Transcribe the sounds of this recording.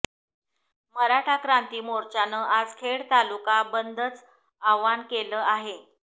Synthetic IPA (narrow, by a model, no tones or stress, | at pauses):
məɾaʈʰakɾant̪iːmoɾt͡ɕanəːʔad͡zkʰeɽt̪alukabənd̪ʱət͡s | aʋankeləːaɦe